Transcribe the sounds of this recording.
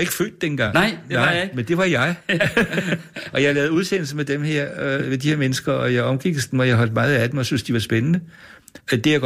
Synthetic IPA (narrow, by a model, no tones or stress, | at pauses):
e̝ɡ̥əfø̰ːd̥ːenəɡ̥ɑ̈ŋ̰ɑɪmend̥e̝ʋɑ̈jɑ̈ɪ | ʔɒ̽jɑ̈ɪlɛːð̩ˠuðˠsen̰l̩səmed̥emheɐ̰med̥iheɐmenəsɡ̥ɐɒ̽jɑ̈ɪɒ̽mɡ̥iɡ̥sd̥mɒ̽jɑ̈ɪɦɒ̽l̰d̥mɑ̈ːð̞̩ˠæd̥emɒ̽syn̰sd̥iʋɑ̈sb̥enənə | d̥e̝jaɡ̥